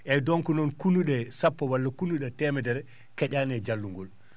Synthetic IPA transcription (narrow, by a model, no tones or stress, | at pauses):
ʔɛdɔŋkunɔnkunuɗɛsapːɔwalːakunuɗɛtɛmɛdɛɾɛ | kɛɟaːnɛd͡ʒalːuŋɡɔl